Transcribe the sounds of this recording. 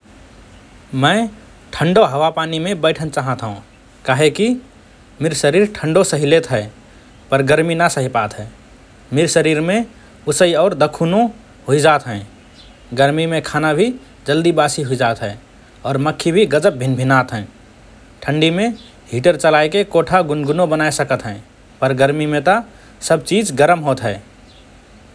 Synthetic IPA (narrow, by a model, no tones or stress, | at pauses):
mə̃ | ʈʰə̃ɳɖoɦəwapaːnimẽbɛɪʈʰənt͡ʃaːɦət̪ɦõ | kaːɦeki | mɪɾsəɾiːɾʈʰə̃ɳɖosəɦileːt̪ɦɛ | pəɾɡəɾminasəɦipaːt̪ɦɛː | miɾsəɾiːɾmẽ | ʊsəiɔːɾd̪əkʰuːnõ | ɦoid͡ʒaːt̪ɦɛ̃ː | ɡəɾmimẽkʰaːnabʱi | d͡ʒəld̪ibaːsiɦoid͡ʒaːt̪ɦɛː | ɔːɾməkʰːibʱiɡəd͡ʒəp̚bʱɪnbʱɪnaːt̪ɦɛ̃ː | ʈʰə̃ɳɖimẽ | ɦiʈəɾt͡ʃəlaːekekoːʈʰaɡʊnɡʊnõbənaːesəkət̪ɦɛ̃ː | pəɾɡəɾmimẽt̪a | səb̚t͡ʃiːd͡ʒɡəɾəmɦoːt̪ɦɛː